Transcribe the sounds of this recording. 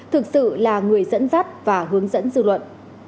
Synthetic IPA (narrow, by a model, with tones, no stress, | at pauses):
t̪ʰɨ˨˩k̚sɨ̰˧˨laː˨˩ŋɨ˨˩əjzə̰˧˥nzaː˦˥t̚vaː˨˩ɦɨ˨˦əŋzə̰˧˥nzɨ̰˧˨lwə̰˧˨nʔ